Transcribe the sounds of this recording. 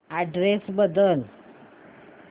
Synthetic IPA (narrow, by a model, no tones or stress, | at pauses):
aɖɾesbəd̪əl